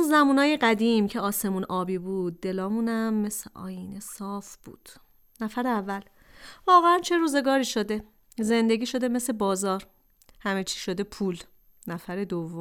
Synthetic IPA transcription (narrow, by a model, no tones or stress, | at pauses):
unzæmuːnɒːjeɢæd̪iːmcʰe̞ɒːse̞munʔɒːbiːbuːd̪̚ːe̞lɒːmunæmːe̞seʔɒ̰ːjinesɒːfb̥ṵːd̪̥ | næfæɾeævːæl | vɒːɣeænt͡ʃʰe̞ɾuːze̞ɡɒːɾiːʃo̞d̪e̞ | ze̞nd̪e̞ɡʲiːʃo̞d̪e̞me̞sebɒːzɒːɾ | hæmet͡ʃʰi̥ːʃod̪e̞pʰuːl | næfæɾe̞d̪ovːom